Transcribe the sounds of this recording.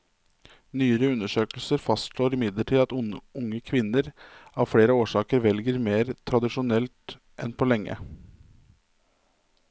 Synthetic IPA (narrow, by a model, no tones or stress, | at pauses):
nyːəɾəʉnːəʂøːkəlsəɾfɑst̪ʂloːɾɪmɪd̪ləʈʰiːɑt̪ʊŋːəkʰʋɪnːəɾɑʋfɽeːɾəoːʂɑːkəɾʋɛlɡəɾmeːɾt̪ʰɾɑd̪ɪʂʊnɛlt̪ | ʔɛnpʰɔːlɛŋːə̰